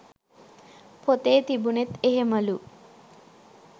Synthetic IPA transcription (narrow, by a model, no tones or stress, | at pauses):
pʰot̪eːt̪ibunet̪eɦeməlu